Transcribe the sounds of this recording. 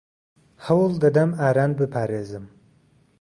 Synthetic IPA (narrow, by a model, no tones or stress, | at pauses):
hɐwɨlˠd̪ɐd̪ɐmaːɾaːnbɨpʰaːɾeːzɨm